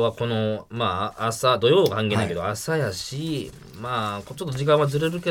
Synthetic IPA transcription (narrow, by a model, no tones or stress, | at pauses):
βako̞no̞maːsad̪o̞jo̞ːkãŋk̬e̞ːnaiked̪oasajaɕi | makot͡ɕo̞t̪ːod͡ʑikãɰ̃βazɨɾe̞ɾɯ̟ke